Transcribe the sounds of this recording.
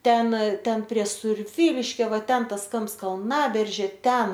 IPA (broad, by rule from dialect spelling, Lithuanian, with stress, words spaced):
ˈtʲɛn ˈtʲɛn pʲrʲiɛ sʊrʲˈʋʲiːlʲɪʃʲkʲoː ˈʋɐ ˈtʲɛn ˈtɐs ˈkɐmps kɐlˠˈnɑːbʲɛrʲʒʲeː ˈtʲɛn